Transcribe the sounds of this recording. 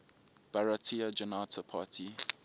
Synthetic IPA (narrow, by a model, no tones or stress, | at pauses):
b̥aɹatʰiad͡ʒɔnaːtʰəpʰatʰi